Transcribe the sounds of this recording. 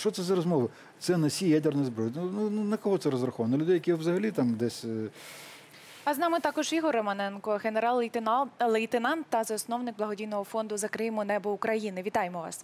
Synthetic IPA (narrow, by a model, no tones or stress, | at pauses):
ʃt͡ʃɔt̪sɛzɐɾɔzmɔʋɨ | t̪sɛnɐsʲijad̪ernʊjizbɾɔjnunnnɐkɔɦɔt̪sɛɾɔzɾɐxɔʋɐnɔlʲʊd̪ɛjɐkʲiʋzɐɦɐlʲit̪amd̪ɛsʲ | ɐznɑmɪt̪ɑkɔʒiɦɔrɐmɐnɛnkɔɦeneɾɑlˠlˠejt̪enɑnt̪ːɐzɐsnɔwnɪkɡblˠɐɦɔdʲijnɔɦɔfɔnd̪ʊzɐkɾɪmʊnɛbɔʊkɾɐjinɪʋʲit̪ɑjemɔʋɑ̰s